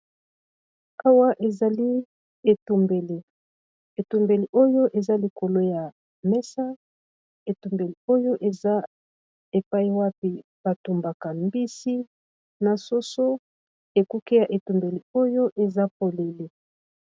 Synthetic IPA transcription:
a˦wa˦ʔe˨za˨li˦ | e˨tu˨mbe˨li˨ | e˨tu˨mbe˨li˨ʔo˦jo˦ʔe˨za˦li˨kʰo˨lo˦ja˨ | mɛ˦sa˦ | e˨tu˨mbe˨li˨o˦jo˦ʔe˨za˦ | e˨pa˦i˦wa˦pi˨ | b̥a˨tu˨mba˨ka˨mbi˦si˦ | na˨so˦so˦ | e˨ku˦ki˦ja˨ʔe˨tu˨mbe˨li˨o˦jo˦ʔe˨za˦po˨le˨li˨

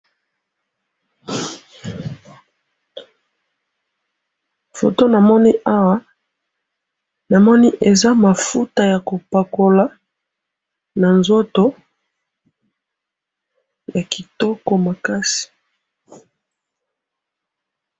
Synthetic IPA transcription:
fo̰˨to˦na˨mɔ˦ni˦ʔa˦wa˦ | na˨mɔ˦ni˦ʔe˨za˦ma˨fu˦ta˨ja˨ko˨pa˨ko˨la˦ | na˨nzo˦to˦ | ja˨ki˨tɔ˦kɔ˨ma˨ka˦si̥˨

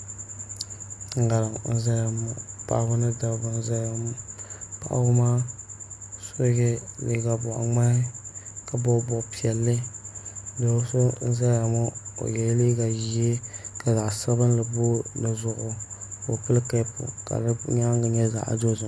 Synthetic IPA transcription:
ŋ̩˨ɡa˨ɾɨ˨ŋn̩˦za˦a˨mɔ̰˨pa̰˨ʔbʊ˦nɨ˦da˨bɨ˨n̩˦za˦ja˨m˦pa̰˦ʔbʊ˦maː˦ | so˦ɡɛ˦li˨˦ɡa˨bɔ˨ʔa̰˨ŋ͡ma˦hɪ˦ka˨bɔ˦bɔ˦˨pi˨ɛ˨lːɨ˦ | do˨˦so˦n̩˦za˦ja˨mɔ˦o̰˨jɛ˨˦li˦ɡa˨ji˨˦e˦ka˨za˨ʔsa˦bɨ˦nlɨ˨bo˦nɨ˨zʊ˨ʔʊ˨o˨pɨ˦lka˦pʊ̰˨ka̰˨lɨ˦ɲa˦ŋɡa˨ɲɛ˦za̰˨ʔdo˦zʊ˨

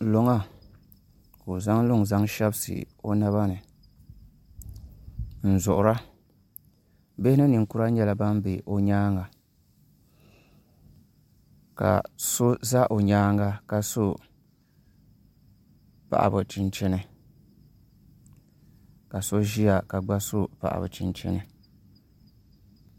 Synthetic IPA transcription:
lo˨ŋa˦ | ko˨za˦ŋlʊ˦ŋza˦ŋʃɛ˦bsɨ̰˨ | o˦na˦βa˦nɨ˨ | n̩˨zʊ˨ʔʊ˨ɾa˦ | be˦hɪ˦nɨ˦nɨ˨ŋku˦ɾa˦ɲɛ˦la˨ba˦m˦be˨ʔo˨ɲaː˦ŋa˨ | ka̰˨so˦za˦ʔo˨ɲaː˦ŋa˦ka˨so˦ | pa̰˨ʔa̰˨bʊ˨t͡ʃi˦nt͡ʃɛ˦nɨ˦ | ka˨so˦ʒi˦a˨ka˨ɡ͡ba˦so˦pa̰˨ʔa̰˨bɨ̰˨t͡ʃɪ˦nt͡ʃɛ̰˦nɨ˨

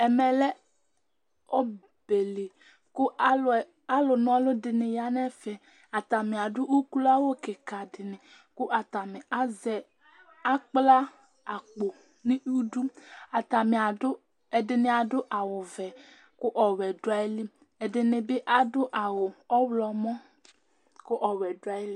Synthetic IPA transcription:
ɛ˨mɛ˨lɛ˦ | ɔ˦ | b̥e˨le˨ | kʊ˦˨ | a˦lʊ˨nʊ̃˦a˦lʊ˦dɪ˨nɪ˨ja˨nɛ˦fɛ˨ | a˨t̪a˨mɪ̃˨a˨ɖʊ˦ʔu˦ku˦la˦wo˦kɪ˨ka˨dɪ˨nɪ̃˨ | kʊ˦ʔa˨t̪a˨mɪ˨ʔa˦zɛ˨ | a˦k͡pla˦ | a˨k͡po˨ | nɪ̃˦u˦du˦a˨t̪a˨mɪ˨a˨dʊ˦ | ɛ˨dɪ˨nɪ˨a˨dʊ˦ʔa˨wʊ˨vɛ˨ | kʊ˦ʔɔ˨wɛ˨dʊ˦a˨ɪ˦lɪ˦ | ɛ˨dɪ˨nɪ˨bɪ˦ʔa˦dʊ˦ʔa˨wʊ˨ɔ˦wlɔ˨mɔ˦ | kʊ˦ʔɔ˨wɛ˨dʊ˦a˨ɪ˦lɪ˦

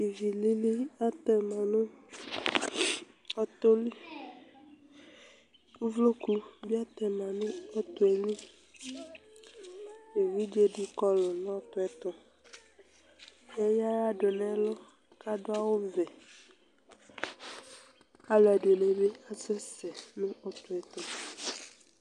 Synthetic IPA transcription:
i˨vi˨li˦li˦a˦t̪ɛ˨mã˨nũ˦ | ɔ˦t̪o˦li˦ | u˦vlo˦ku˦bi˦a˦t̪ɛ˨mã˨nũ˦ɔ˦t̪o˦e˨lĩ˦ | e˨wi˦d͡ʒe˦ɖi˦kɔ˦lɔ˨nɔ̃˦t̪ɔ˦ɛ˦t̪ɔ˦ | e˦ja˦ɾa˦ɖo˨nɛ̃˦lɔ˦ | ka˦ɖo˦a˦wo˦vɛ˨ | a˦lɔ˨a˨ɖe˨ne˨be˦a˨sɛ˦sɛ˨nũ˦ɔ˦t̪ɔ˨ɛ˨t̪ɔ˦

